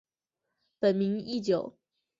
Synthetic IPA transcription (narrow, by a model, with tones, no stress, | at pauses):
pə˨˩nmi˧˥ŋi˥˩t͡ɕjo˨˩˦ʊ